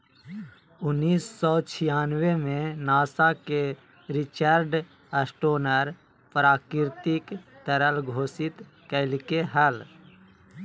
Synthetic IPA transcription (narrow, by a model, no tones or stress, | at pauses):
ʊnːiːsːɔːt͡ʃʰɪjaːnwemẽnaːsake | ɾɪt͡ʃəɾɖ | əsʈoːnəɾ | pɾaːkɾɪɾt̪ɪkt̪əɾəlɡʱoːsɪt̪ | kəɪlkeɦəl